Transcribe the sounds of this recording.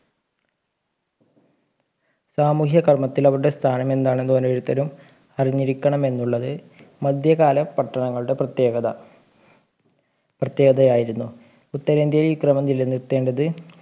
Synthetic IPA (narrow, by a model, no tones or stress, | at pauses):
saːmuːhjɐkɐrmɐt̪ːilɐʋɾuɽe̞st̪ʰaːnɐme̞nd̪aːɳe̞nd̪ukonːeʋɐɾut̪ːɐɾum | ɐriɲːiɾikʲːɐɳɐme̞nːuɭːɐðɨ | mɐd̪ʱjɐɣaːlɐpɐʈːɐɳɐŋːɐɭuɽe̞pːɐɐ | prɐt̪jeːɡɐðɐjaːjiɾunːu | ut̪ːɐɾend̪jɐjliːkrɐmɐmd͡ʑilːɐnːit̪ːe̞ːɳɖɐðɨ